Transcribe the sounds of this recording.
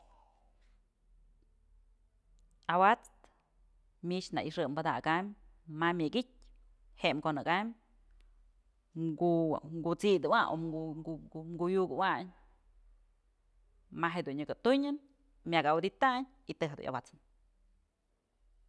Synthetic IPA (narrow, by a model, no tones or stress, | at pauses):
awat͡st̪ | mit͡ʃna̰ʔiʂɨmbɨd̪akammamʲɨɡit̚ʲ | hemkonɨkam | ɡuɡut͡sid̪ɨwaʔo̰umɡujukɨwaɲ | maɦed̪unːɨkɨt̪uɲɨn | mjaɡawd̪it̪aɲ | it̪ɨɦed̪ṵɲʔa̰wat͡sɨ̥n